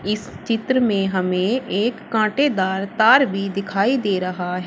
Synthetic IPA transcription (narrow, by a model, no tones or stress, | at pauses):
ɪs | t͡ʃɪt̪ɾəmẽɦɐmẽeːkːãːʈed̪aːɾt̪aːɾbʱid̪ɪkʰaːid̪eːɾɐɦaɦɛː